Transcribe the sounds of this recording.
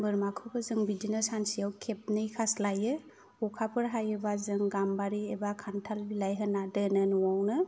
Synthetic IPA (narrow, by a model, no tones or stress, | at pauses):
bɯɾmakʰɯbɯzɯŋbidinasansijawkʰep̚nɯjkʰaslajɯ | ɔkʰapʰɯɾɦajɯbazɯŋɡambaɾiebakʰantʰalbilajɦɯnadənɯnuwawnɯ